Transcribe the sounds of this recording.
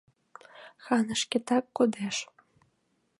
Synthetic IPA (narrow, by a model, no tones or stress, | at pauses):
xɑnə̆ʃkʲet̪ɑkːod̪eʃ